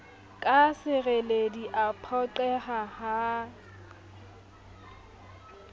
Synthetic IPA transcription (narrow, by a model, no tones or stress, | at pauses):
kʼasɪɣelediʔapʰɔǃɛhaha